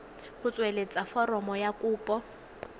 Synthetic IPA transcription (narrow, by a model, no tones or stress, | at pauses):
χʊt͡sʼwelet͡sʼafɔrɔmɔjakuːpʼɔ